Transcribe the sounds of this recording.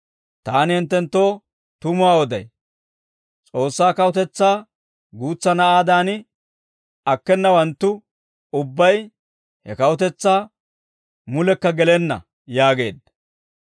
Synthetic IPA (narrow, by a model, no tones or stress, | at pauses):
t̪aːnɪhɪnt̪ːɛnt̪ːo̞ː | t̪ʊmʊaːɔd̪ɐ̰j | t͡sʼo̞ːsːaːkɐwʊt̪ɛt͡sːaː | ɡuːt͡sːɐnɐaːd̪aːnɪ | ɐkːɛnːɐwɐnt̪ːʊ | ʊbːɐj | hɛkɐwʊt̪̬ɛt͡sːaː | mʊlɛkːɐɡɛlɛnːɐ̰ | jaːɡe̞̰ːd̪ːɐ